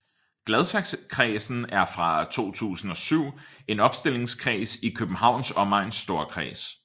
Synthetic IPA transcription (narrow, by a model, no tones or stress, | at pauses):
ɡ̥lɛð̞ˠsɑɡ̥skʰʁɛːsn̩æɐfʁɑ̈t͡sʰo̝̰ːt͡sʰṵːsn̩ɒ̽syʊ̰e̝nɒ̽b̥sd̥e̝l̰e̝ŋskʰʁɛ̰ːsikʰøb̥n̩hɑ̈ʊ̰nsɒ̽mɑ̈ɪnsːd̥o̝ːɐkʰʁɛ̰ːs